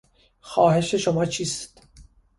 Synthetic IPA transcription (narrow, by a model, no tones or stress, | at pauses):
xɒːhe̞ʃe̞ʃo̞mɒːt͡ʃʰiːst̪